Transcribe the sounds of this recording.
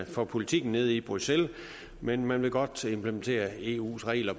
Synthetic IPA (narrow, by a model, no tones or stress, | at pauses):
fɒpʰo̝lit͡sʰiɡ̥n̩ne̝ð̞ˠib̥ʁusel | menmænʋe̝ɡ̥ɒ̽d̥e̝mpʰlement͡sʰe̝̰ːɐe̝ṵːsʁɛ̰ɪlɐ